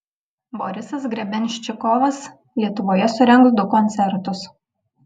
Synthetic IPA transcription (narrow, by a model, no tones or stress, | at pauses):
bɔɾʲɪsɐsɡɾʲɛbʲɛnʲʃʲt͡ʃʲɪkɔʋɐs | lʲiɛt̪ʊʋoːjɛsʊɾʲɛŋksd̪ʊkɔnʲt̪ʲɛɾt̪ʊs